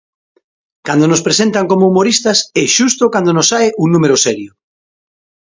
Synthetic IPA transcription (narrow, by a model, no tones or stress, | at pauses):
kand̪onospɾesent̪aŋkomoumoɾist̪asɛʃust̪okand̪onosajʔuŋnũmeɾosɛɾjo